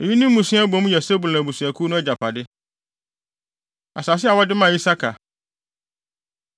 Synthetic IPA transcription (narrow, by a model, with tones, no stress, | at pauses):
ji˦nĩ˦m˦mũ˨sɪ̃˦a˦bõ˦m˦jɛ˨sɛ˦bu˨lã˨bu˨su˨æ˨kʰu˦nʊ̃˦ɛ˦d͡ʑa˨pʰa˨dɪ˦ | a̰˨sa˨s̬ɪ˦a˨wɔ˦dɪ˦mã˨i˦sa˦kʰa˨